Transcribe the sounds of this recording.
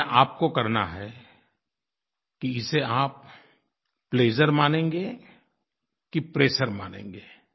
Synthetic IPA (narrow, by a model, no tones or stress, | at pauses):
ʔaːp̚kokɐɾna̰ɦɛ | kiɪseaːp̚ː | leːd͡ʒəɾmaːnẽːŋɡeː | kipɾeːʃəɾmaːnḛ̃ːŋɡeː